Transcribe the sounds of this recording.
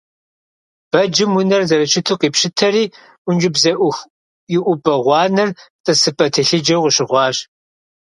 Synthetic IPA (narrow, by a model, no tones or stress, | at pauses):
b̥ɐd͡ʒɪmwʊnɐrzɐɾɐt͡ʃʰɪtʰuqiːpʃɪtʰɐɾiː | ʔʷʊnd͡ʒɪbzɐʔ | jɪʔʷʊbʼɐʁʷɑːnɨrtʼɐsɨpʼɐtʰɨɬɨd͡ʒɐwʁəɕɪʁʷɑːɕ